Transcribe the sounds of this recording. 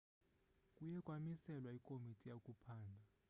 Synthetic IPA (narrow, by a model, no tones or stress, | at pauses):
kʼujɛkʼwamisɛlwaikʼomitʼijakʼupʰaːndʱa